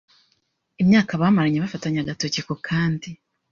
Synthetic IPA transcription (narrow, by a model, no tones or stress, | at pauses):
imɲaːkaβamaɾaɲeβafataɲaɡatocikokʰaːndi